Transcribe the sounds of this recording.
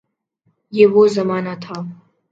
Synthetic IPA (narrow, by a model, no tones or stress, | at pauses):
jewozamaːnatʰaw